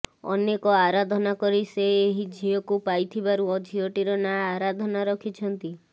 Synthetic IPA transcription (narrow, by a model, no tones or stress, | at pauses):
ɔ̰nekɔaɾad̪ʱɔnakɔɾiseːɦid͡ʒʱiɔkupajt̪ʰibaɾuɔd͡ʒʱiɔʈiɾɔnaːɾad̪ʱɔnaɾɔkʰit͡ʃʰɔnt̪i